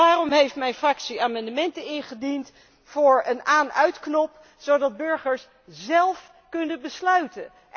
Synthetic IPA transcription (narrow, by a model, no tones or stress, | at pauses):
aːrɔmɦejftmɛjnfrɑksiaːmɑndəmɛntənɪnχədint | fʊːɹənaːnœɥtknɔp | zowdɑd̚bɵɹχəɹs | zɛlˠf | kɵnəbəslœɥtə̰